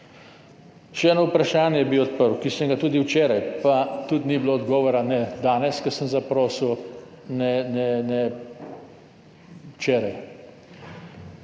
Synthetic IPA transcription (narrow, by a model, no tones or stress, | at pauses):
ʃɛɛːnoupɾaʃaːnjɛjɛbiwɔt̪̚pəɾwkisəŋɡat̪uːd̪iwt͡ʃeːɾajpat̪ut̪nibloɔd̪ɡɔːʋɔɾanɛd̪aːnɛskəsəmzapɾoːsiw | nɛnɛnɛ | wt͡ʃɛːɾaj